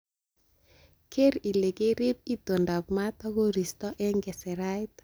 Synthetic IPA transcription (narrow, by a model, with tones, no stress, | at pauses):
kʰe˦ɾi˨le˨ɡe˦ɾe˦p̚i˦to˨nda˨p̚ma˦ta˦ɡo˦ɾi˨stɔ˦ʔɛ˦ŋɡɛ˨sɛ˨ɾa˦jt